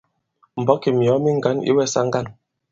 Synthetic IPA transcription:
m̩˨bɔ˨˦ke˨m˨ɔ˨˦mi˦ŋ̩˦˨ɡa˨˦nḭ˦wɛ˦˨sa˦ŋ˦ɡa˦˨n

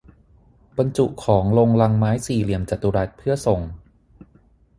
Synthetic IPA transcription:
ba˧nt͡ɕu˨˩ʔkʰɔː˩˦ŋlo˧ŋla˧ŋmaː˦˥jsiː˨˩li˨˩əmt͡ɕa˨˩t̪ːu˧ɾa˦˥t̪̚pʰɯ˥˩ɐso˨˩ŋ

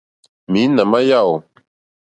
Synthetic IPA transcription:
mi˨˦na˨ma˦ja˦˨w

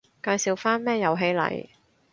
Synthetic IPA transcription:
kaː˧jsi˨˧wfaː˥nmɛː˥˩jɐ˨˧wɦe˨˥jlɐ̰˨˧j

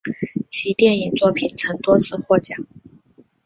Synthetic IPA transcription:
t͡ɕʰi˧˥t̪jɛ˥˩ni˨˩ŋt͡swɔ˥˩pʰi˨˩nt͡sʰɤ˧˥ŋt̪wɔ˥t͡sʰɹ̩˥˧xwɔ˥˩t͡ɕjɑ˨˩˦ŋ

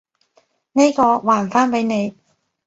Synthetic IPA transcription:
ne˥jkɔː˧waː˨˩nfaː˥npe˨˥jne˨˧j

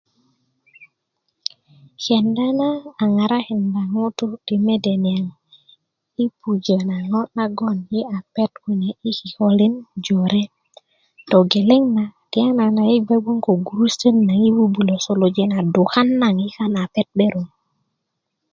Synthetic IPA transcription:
ke˨nda˦naː˦˨ŋa˨ɾa˦he˨nda˨ŋo˦tu˦ti˨me˦de˨ni˨a˨ŋ | i˦pu˨d͡ʒə˨na˨ŋo˦na˦ɡo˦˨nji˦a˨pe˦tki˨ne˨ʔi˦ki˨ho˦li˦nd͡ʒo˨ɾe˦ | to˨ɡe˨le˦ŋna˨ti˨a˦na˨na˨ji˦ba˦ɡ͡bu˦ŋko˨ɡu˨ɾu˦stə˦nːa˨ŋi˦wu˦bu˨lo˨so˨lo˨d͡ʒe˦na˨du˨xa˦nːa˨ŋi˦ka˦na˨pe˦t̚ɓe˦ɾu˨ŋ

